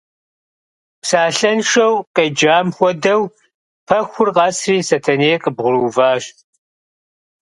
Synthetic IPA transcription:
psaːɬɐnʂɐwqʼed͡ʒaːmxʷɔdɐw | pʰɐxʷʊrqɑːsriːsɐtʰɐneːqʼəbʁʷʊɾuːvaːɕ

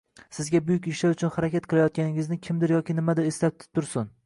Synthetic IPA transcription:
sɪzɡʲabʊjʊkʲɪʃlaɾʊt͡ʃʰʊnhaɾakʲat̪̚qʰɨlˠajɒt̪̚kʲanɪŋʲɪznɪkʲʰɪmd̪ɪɾjɒkʲɪnɪmad̪ɪɾeslat̪ʰɪ̥t̪ʰːʊɾsʊn

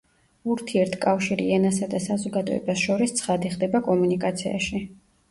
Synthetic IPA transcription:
uɾt̪ʰiɛɾt̪ʰkʼafʃiɾḭɛnasad̪asazɔɡad̪ɔ̰ɛ̰basʃɔɾist̪sʰχad̪iχd̪ɛbakʼɔmunikʼat̪sʰḭa̰ʃi

